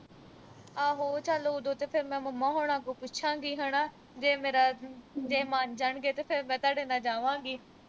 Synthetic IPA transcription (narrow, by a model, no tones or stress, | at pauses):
aːɦoːt͡ʃəloːd̪oːt̪eːpʰɪɾmɛ̃ːməmãːɦoːɽ̃ãːkoːpʊt͡ʃʰãːɡiːɦəɽaː | d͡ʒeːmeːɾaːd͡ʒeːmaːnd͡ʒaːɳɡeːt̪eːpʰɪɾmɛ̃ːt̪aːɖeːnãːd͡ʒaːʋãːɡiː